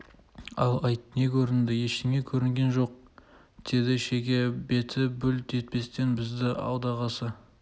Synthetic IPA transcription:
ɑ̰lˠɑjt̪ne̞kʲʰɵɾɪnd̪ɪje̞ʃɪme̞kʲʰɵɾɪŋɡʲe̞nʒo̞q̚ | d̪̥e̞d̪ɪʃe̞kʲe̞be̞t̪ʰɪbʏlt̪ʰe̞t̪̚pe̞st̪e̞nbɪzd̪ɪʔɑ̰wd̪ɑʁɑsə

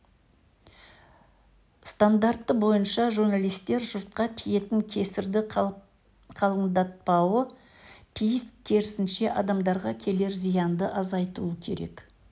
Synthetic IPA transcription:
st̪and̪art̪ːəbo̞jənʃɑʒuɾnalˠijst̪e̞ɾʒʊɾt̪̚qɑt̪ʰije̞t̪ɪŋkʲʰe̞sɪɾd̪ɪ | qʰɑlˠəɴd̪ɑt̪̚pɑwə | t̪ʰijɪskʲʰe̞ɾɪsɪnʃe̞ʔɑd̪ɑmd̪ɑɾʁɑkʲʰe̞le̞ɾzijɑnd̪əʔɑzɑjt̪uəkʲʰe̞̰ɾe̞̰k

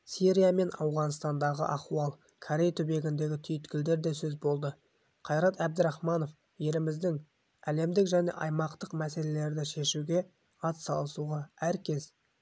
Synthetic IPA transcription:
siɾʲijame̞nɑwʁɑnst̪ɑnd̪ɑʁə̰ʔɑquɑlˠ | kʰoɾe̞jt̪ʰɵbe̞ɡʲɪnd̪e̞ɡʲɪt̪ʰʏjɪt̪kʲɪld̪e̞ɾd̪e̞sɵzbo̞lˠd̪ə | qʰɑjɾɑt̪æb̚d̪əɾɑχmɑno̞f | je̞lɪmɪzd̪ɪŋ | æle̞md̪ɪkʒæne̞̰ʔɑjmɑqt̪əqmæse̞le̞le̞ɾd̪ɪʃe̞ʃuɡʲe̞ | ɑt̪sɑ̰lˠəsuʁɑæɾkʲʰe̞z

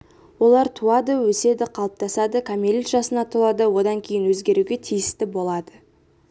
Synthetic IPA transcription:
wo̞lˠɑɾt̪ʰuɑd̪əwɵse̞d̪ɪqʰɑlˠəp̚t̪ɑsɑd̪əkʰamʲelʲit̪ʒɑsənɑt̪ʰuɑd̪əwo̞d̪ɑŋkʲʰe̞jɪnwɵzɡʲe̞ɾuɡʲe̞t̪ʰijɪst̪ɪbo̞lˠɑd̪ə

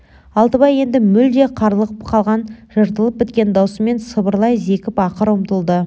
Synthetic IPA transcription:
ɑlˠt̪əbɑje̞nd̪ɪmʏld̪eqʰɑɾlˠəʁəpqʰɑlˠʁɑnʒəɾt̪əlˠəp̚bɪt̪kʲe̞nd̪ɑwsəme̞nsəbəɾlˠɑjze̞kʲɪpɑqəɾəmt̪əlˠd̪ə

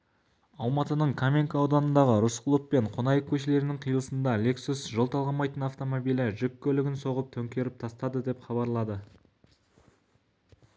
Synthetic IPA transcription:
ɑlˠmɑt̪ənəɴkʰamʲeŋkaowd̪ɑnənd̪ɑʁəɾʊsqəlˠəppe̞ɴqʰonɑjəq̚kʲʰɵʃele̞ɾɪnɪŋɴqʰijəlˠəsənd̪ɑle̞ksusʒolˠt̪ʰɑlˠʁɑmɑjt̪ənɑft̪o̞mobijlɪʒʏkʲʰːɵlɪɡʲɪnso̞ʁəp̚t̪ʰɵŋkʲe̞ɾɪp̚t̪ʰɑst̪ɑd̪əd̪e̞pχɑbɑɾlˠɑd̪ə

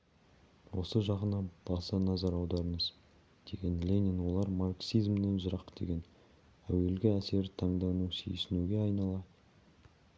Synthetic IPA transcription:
wo̞səʒɑʁənɑb̥ɑsɑnɑzɑɾɑwd̪ɑɾəɴəz | d̪̥e̞ɡʲe̞nlʲenʲinwo̞lˠɑɾmarksijzmd̪enʒəɾɑqːd̪̥e̞̰ɡʲe̞n | æwe̞lɡʲɪæse̞ɾɪt̪ʰɑɴd̪ɑwnusḛjsɪnuɡʲe̞ɑjnɑlˠɑ

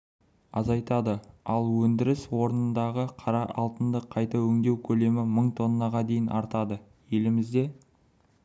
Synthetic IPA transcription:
ɑzɑjt̪ɑd̪əɑlˠwɵnd̪ɪɾɪswo̞ɾənənd̪ɑʁəqʰɑɾɑʔɑlˠt̪ənd̪əqʰɑjt̪ɑwɵŋd̪e̞wkʲʰɵle̞mɪməɴt̪ʰo̞nːɑʁɑd̪e̞jɪnʔɑɾt̪ɑd̪ə | je̞lɪmɪzd̪e̞

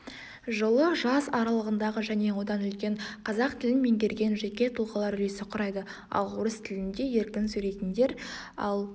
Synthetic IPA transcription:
ʒəlˠəʒɑsɑɾɑlˠəʁənd̪ɑʁəʒæne̞wo̞d̪ɑnʏlkʲe̞ɴqʰɑzɑqt̪ʰɪlɪnme̞ŋɡʲe̞ɾɡʲe̞nʒe̞kʲe̞t̪ʰʊlˠʁəlˠɑɾʏle̞sɪqʰʊɾɑjd̪ə | ɑ̰lˠuɾəst̪ʰɪlɪnd̪e̞je̞ɾkʲɪnsʉɾe̞jt̪ɪnd̪e̞ɾɑlˠ

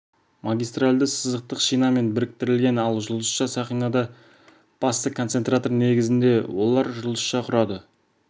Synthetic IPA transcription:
mɑɡʲijst̪ralʲd̪əsəzəq̚t̪əqʃijnɑme̞nbɪɾɪk̚t̪ɪɾɪlɡʲe̞nɑlˠʒʊlˠəsʃɑsɑχijnɑd̪ɑ | b̥ɑst̪əkʰo̞nse̞nt̪ɾat̪o̞rne̞ɡʲɪzɪnd̪e̞wo̞lˠɑɾʒʊlˠəsʃɑqʰʊɾɑd̪ə

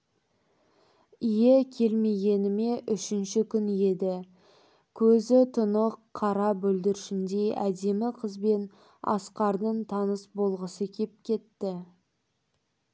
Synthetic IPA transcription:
ijekʲʰe̞lme̞ɡʲe̞nɪme̞ʔʏʃɪnʃɪkʲʰʏnje̞d̪ɪ | kʲʰɵzɪt̪ʰʊnəqʰːɑɾɑbɵld̪ɪɾɪʃɪnd̪e̞ʔæd̪e̞mɪqʰəzbe̞n | ɑ̰sqɑɾd̪əɴt̪ʰɑnəsbo̞lˠʁəsəkʲʰe̞p̚kʲʰe̞t̪ːɪ

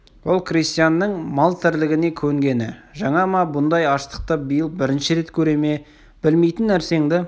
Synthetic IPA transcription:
wo̞lˠkrist̪ijanːəɴmɑlˠt̪ʰɪɾlɪɡʲɪne̞kʲʰɵŋɡʲe̞nɪʒɑɴɑmɑbʊnd̪ɑjɑʃt̪ə̥q̚t̪əbəjəlˠbɪɾɪnʃɪɾe̞t̪kʲʰɵɾe̞me̞ | b̥ɪlme̞jt̪ɪnːæɾse̞ŋd̪ɪ

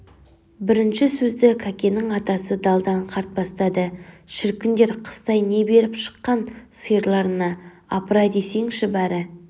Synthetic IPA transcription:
bɪɾɪnʃɪsɵzd̪ɪkʰakʲe̞nɪŋɑt̪ɑsəd̪ɑlˠd̪ɑɴqʰɑɾt̪̚bɑst̪ɑd̪əʃɪɾkʲɪnd̪e̞ɾqʰə̥st̪ɑjne̞be̞ɾɪpʃə̥qːɑnsəjəɾlˠɑɾənɑː | pɾɑd̪e̞se̞ŋʃɪbæɾɪ

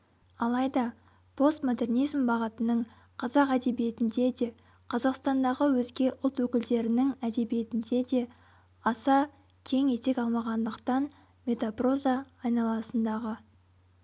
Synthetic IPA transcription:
ɑlˠɑjd̪ɑ | pʰo̞st̪mo̞d̪e̞rnijzmbɑʁət̪ənəɴ | qʰɑzɑqæd̪e̞bije̞t̪ɪnd̪e̞d̪e̞ | qʰɑzɑqst̪ɑnd̪ɑʁəwɵzɡʲe̞ʔʊlˠt̪wɵkʲɪld̪e̞ɾɪnɪŋæd̪e̞bije̞t̪ɪnd̪e̞d̪e̞ | ɑsɑ | kʲʰe̞ŋe̞t̪e̞kʲɑlˠmɑʁɑnd̪əqt̪ɑn | mʲe̞t̪apro̞zɑːjnɑlˠɑsənd̪ɑʁə

